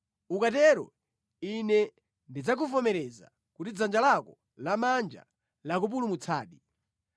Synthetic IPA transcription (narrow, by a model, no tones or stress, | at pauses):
ukatɛɾɔ̰ | inɛ | ndid͡zak̬ufɔmɛɾɛza̰ | kutid͡zand͡ʒalakɔ | lamand͡ʒa̰ | lakup̬ulumut͡sʰaːɗi